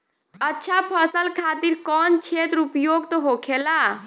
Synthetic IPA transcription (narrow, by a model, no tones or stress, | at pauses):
ətːʃʰapʰəsəlkʰat̪iɾkɔnt͡ʃʰet̪ɾupjoɡt̪ɔɦokʰela